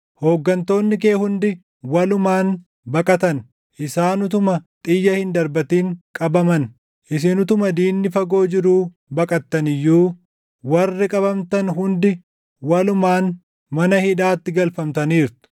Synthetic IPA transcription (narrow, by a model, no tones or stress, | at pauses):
hoːɡːɐnt̪o̞ːnːɪkeːhʊnd̪ɪ | wɐlʊmaːn | bɐkʼɐt̪ɐn | ʔɪsaːnʊt̪̬ʊmɐt̪ʼɪjːɐhɪnd̪ɐɾbɐt̪iːŋkʼɐbɐmɐn | ʔɪs̬ɪnʊt̪ʊmɐd̪iːnːɪfɐɡo̞ːd͡ʒɪɾuː | bɐkʼɐt̪ːɐnɪjːuː | wɐrːɪkʼɐbɐmt̪ɐnɦʊnd̪ɪ | wɐlʊmaːn | mɐnɐhɪᶑaːt̪ːɪɡɐlfɐmt̪ɐniːɾt̪ɪ̥